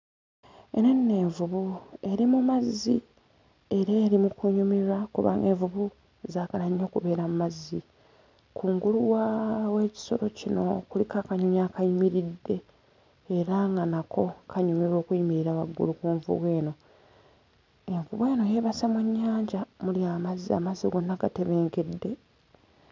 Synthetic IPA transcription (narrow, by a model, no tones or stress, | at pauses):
eno̞nːe̞ːɱvuβue̞ɾimumazːi | e̞ɾeːɾimukuɲumiɾakuβa̰ːŋɡeːɱvuβu | zaːkalaɲːo̞ːkuβe̞ːɾamumazːi | kʰuːŋɡuluwawe̞ːci̥so̞̰ɾo̞cino̞kulikaːkaɲuɲakajimiɾidːe̞ː | ɾaŋɡanakʰo̞kʰaɲumiɾo̞ːkuimiɾiɾaβaɡːṵlukuːɱvṵβwe̞ːno̞ | e̞ɱvuβwe̞ːno̞je̞ːβasamweɲːaːɲɟamuliaːmazia̰maziɡonːaɡate̞βe̞ːŋɡe̞dːe̞